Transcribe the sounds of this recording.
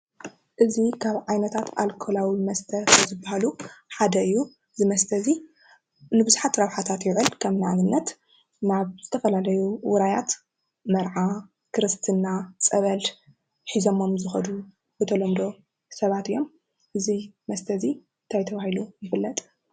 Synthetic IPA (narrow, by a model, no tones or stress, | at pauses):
ʔɨzikʰaβʕajnɐt̪ʰat̪a̰lkʰolawimɐst̪ʰɐkɐzɨbːahaluħad̪ɐɨjːu | zɨmɐst̪ʰɐzi | nɨbɨzuħat̪ɾɐβħat̪ʰat̪jɪʕɨlkʰɐmnaʕnɨnːɐt̪ | naβz̥ɨt̪ʰɐfɐlalɐjuwʊɾajat̪ | mɐɾʕa | kʰɨɾɨst̪ʰɨnːat͡sʼɐβɐl | ħizo̞mo̞mzɨxɐd̪u | bɨt̪ʰɐlomd̪o̞ | sɐβat̪ɨjːo̞m | ʔɨzimɐst̪ʰɐzi | nt̪ʰajt̪ʰɐβahilujɪfɨlːɐt̪ʼ